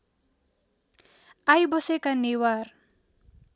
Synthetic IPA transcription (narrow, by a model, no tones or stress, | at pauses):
ajbʌsekanewar